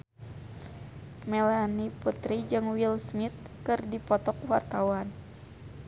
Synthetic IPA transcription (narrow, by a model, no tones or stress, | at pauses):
mɛlaniput̪ɾid͡ʒɨŋwilsmit̪̚kɨrdipɔt̪ɔk̚wart̪awan